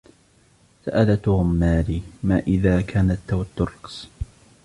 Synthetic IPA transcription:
sa̰ʔalat̪ʊɣʊmːaːliːmaːʔɪðaːkʰaːnat̪ːawat̪ːʊɾɑqs

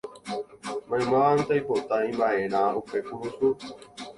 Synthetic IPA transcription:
mãj̃mãʋant̪ajpot̪aĩmbaeɾ̃ãupekuɦusu

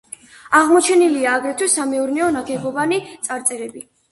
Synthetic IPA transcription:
aʁmɔt͡ʃʰɛniliaːɡɾɛt̪ʰwisːamɛuɾnɛɔnaɡɛbɔvanit̪sʼaɾt̪sʼɛɾɛbi

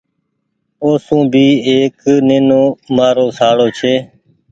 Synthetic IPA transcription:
oːsũːbʱiːeːkneːnoːmaːɾoːsaːɽoːt͡ʃʰeː

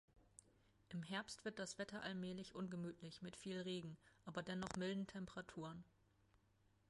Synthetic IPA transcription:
ʔɪmɦɛɐpstv̥ɪɐt̚d̥asv̥ɛtʰɐʔalmɛːlɪçʔʊnɡəmyːtʰlɪçmɪtfiːlʁeːɡŋ̩ʔaːbɐdɛnɔχmɪldn̩tʰɛmpəʁatʰuːʁən

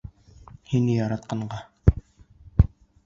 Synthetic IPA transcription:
hinɘjɑɾɑt̪̚qɑɴɢɑ

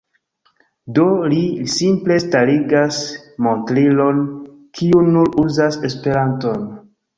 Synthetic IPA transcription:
dolisimple̞staliɡasmo̞ntɾilo̞n | kʰiunuɾuzase̞spe̞ɾanto̞n

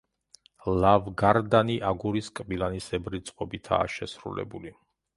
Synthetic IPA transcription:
lavɡaɾd̪aniʔaɡuɾiskʼbilˠanisɛbɾit̪sʼqʼɔbit̪ʰa̰ːʃɛsɾṵlɛ̰buli

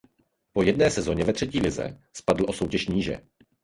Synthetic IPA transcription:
po̞jɛdnɛːsɛzo̞ɲɛvɛt̪r̝̥ɛciːlɪzɛ̰spadl̩ʔoso̞wcɛʃɲiːʒɛ̰

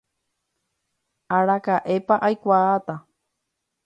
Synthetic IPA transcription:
aɾakaʔepaʔajkʷaːt̪a

